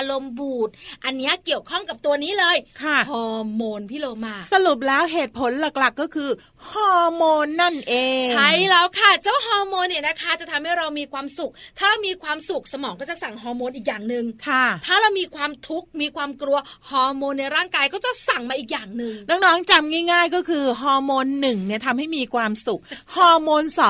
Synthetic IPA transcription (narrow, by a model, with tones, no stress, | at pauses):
ʔa˧ɾo˧mbuː˨˩t̪̚ʔa˧nːi˦˥ɐʔki˨˩əwkʰɔ˥˩ŋka˨˩p̚t̪u˧ɐniː˦˥lɤː˧jkʰa˥˩hɔː˧moː˧npʰiː˥˩loː˧maː˧˩sa˧lu˨˩p̬̚lɛː˦˥wɦeː˨˩t̪̚pʰo˩˦nla˨˩k̚la˨˩kːɔː˥˩kʰɯː˧ | hɔː˧moː˧nːa˥˩nʔeː˧t͡ɕʰa˥˩jlɛ˦˥wkʰa˥˩t͡ɕaː˧˥˩wa˥˩ɦɔː˧moː˧nːiː˨˩na˦˥kʰa˦˥t͡ɕa˨˩t̪ʰa˧mha˥˩jɾa˧wmiː˧kʰwaː˧msu˨˩k̚t̪ʰaː˥˩ɾa˧wmiː˧kʰwaː˧msu˨˩k̚sa˧mɔː˩˦ŋkɔː˥˩t͡ɕa˨˩ʔsa˨˩ŋɦɔː˧moː˧nʔiː˨˩k̚jaː˨˩ŋnɯ˨˩ŋkʰa˥˩t̪ʰaː˥˩ɾa˧wmiː˧kʰwaː˧mt̪ʰu˦˥k̚miː˧kʰwaː˧mklu˧ɐhɔː˧moː˧nːa˧jɾaː˥˩ŋkaː˧jkɔː˥˩t͡ɕa˨˩sa˨˩ŋmaː˧ʔiː˨˩k̚jaː˨˩ŋnɯ˨˩ŋnɔː˦˥ŋ̚nɔː˦˥ŋt͡ɕa˧mŋaː˥˩jŋaː˥˩jkɔː˥˩kʰɯː˧ɦɔː˧moː˧nːɯ˨˩ŋni˥˩ɐt̪ʰa˧mha˥˩jmiː˧kʰwaː˧msu˨˩k̚hɔː˧moː˧nsɔː˨˦